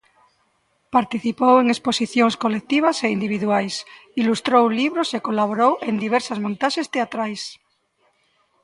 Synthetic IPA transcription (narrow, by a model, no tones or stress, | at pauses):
paɾt̪iθipoweŋesposiθjoŋskolek̚t̪iβ̞aseind̪iβiðuajsilust̪ɾowliβ̞ɾosekolaβoɾowʔe̞nd̪iβ̞eɾsazmõnt̪aʃest̪eat̪ɾajs